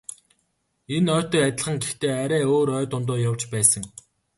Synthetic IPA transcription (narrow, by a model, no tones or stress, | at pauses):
enœːt̪ə̆kat̪ʲɪ̆ɮχə̆ŋɡext̪eːaɾæːoːɾœːt̪ʊnt̪̬oːjawt͡ɕpæːsə̆ŋ